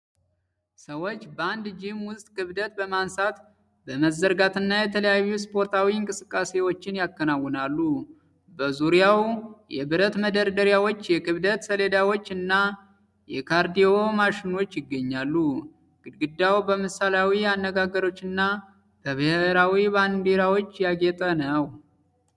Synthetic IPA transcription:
səwo̞t͡ʃːbəand̪d͡ʒɪmwʊst̪ʼkʼɨβd̪ət̪bəmansat̪ | bəməzːəɾɡat̪ɨnːajɛt̪ʰələjajːuspʰo̞ɾt̪ʰawiɨŋkʼɨsɨkʼːase̞wo̞t͡ʃːɪnjakːənawːɔnalːu | bəzuɾijawjɛ̰bɨɾət̪məd̪əɾd̪əɾjawo̞t͡ʃːjɛkʼɨβd̪ət̪səle̞d̪awo̞t͡ʃːɨnːa | jɛkʰaɾd̪ijo̞maʃɪno̞t͡ʃːjɪɡːəɲːalːu | ɡ̥ɨɡɨd̪awbəmɨsaljawianːəɡaɡəɾo̞t͡ʃːɨnːa | b̥əβɨheɾawiband̪iɾawo̞t͡ʃːjaɡet̪ʼənəw

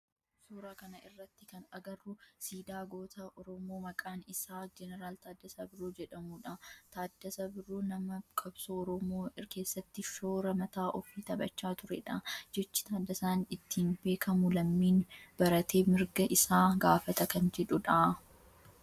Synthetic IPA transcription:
suːɾaːkɐnɐɪrːɐt̪ːɪkɐnɐɡɐrːʊsiːd̪aːɡo̞ːt̪ɐʔɔɾɔmoːmɐkʼaːnɪsaːd͡ʒɛnɛɾaːlt̪aːd̪ːɐsɐbɪɾuːd͡ʒɛᶑɐmuːᶑɐt̪aːd̪ːɐsɐbɪruːnɐmɐkʰʼɐbsoɔɾɔmoːkeːsːɐt̪ːɪʃoːɾɐmɐt̪aːʔɔfiːt̪ɐbɐ̰t͡ʃːaːt̪ʊɾɛ̰ᶑad͡ʒɛt͡ʃːɪ̥t̪aːd̪ːɐsaːnɪt̪ːiːnbe̞ːkɐmʊlɐmːiːnb̥ɐɾɐt̪ʰe̞ːmɪɾɡɐʔɪsaːɡaːfɐt̪ɐkɐnd͡ʒɛᶑʊᶑaː

